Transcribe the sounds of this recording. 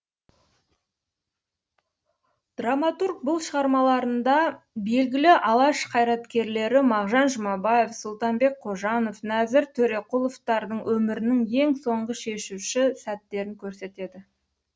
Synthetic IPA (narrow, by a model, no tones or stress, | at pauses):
d̪̥ramɑt̪urk̚bʊlˠʃəʁɑɾmɑlˠɑɾənd̪ɑbe̞lɡʲɪlɪʔɑlˠɑʃqʰɑjɾɑt̪kʲe̞ɾle̞ɾɪmɑʁʒɑnʒəmɑbɑje̞fsʊlˠt̪ɑnbe̞k̚qʰo̞ʒɑno̞fnæzɪɾt̪ʰɵɾe̞qulˠo̞ft̪ɑɾd̪əɴwʔɵmɪɾɪnɪŋje̞ŋso̞ɴʁəʃe̞ʃuwʃɪsæt̪ːe̞ɾɪŋkʲʰɵɾse̞t̪e̞d̪ɪ